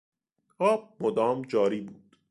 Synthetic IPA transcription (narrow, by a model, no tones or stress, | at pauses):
ɒːb̚mod̪ɒːmd͡ʒɒːɾiːbuːd̪̥